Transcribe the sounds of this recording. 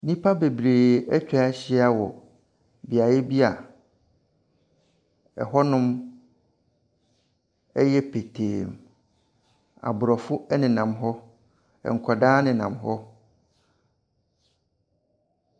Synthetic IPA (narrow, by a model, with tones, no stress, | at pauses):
nĩ˦pʰa˦be˨bɾeː˨ɛ˦t͡ɕᶣa˨ɛ˦ɕɪ˦a˨wɔ̰˨ | bi˨a˨jɛ˦bi˦a˨ | ɛ̰˨ɦɔ˦nʊ̃˦m | ɛ˦jɛ˦pʰe˨tʰeː˨m | a̰˨bʊ˨ɾɔ˨fʊ˦ɛ˦nɪ̃˨nã˨mɦɔ˦ | ɛ̰˨ŋ̩˨kʰɔ˨daː˦nɪ̃˨nã˨mɦɔ˦